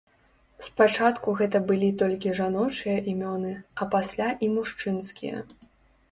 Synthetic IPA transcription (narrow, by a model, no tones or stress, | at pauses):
spat͡ʂat̪kuɣɛt̪ɐbɨlʲit̪ɔlʲkʲiʐanɔt͡ʂɨjɐʔimʲɔnɨɐpasʲlʲaʔimuʂt͡ʂɨnskʲḭjɐ̰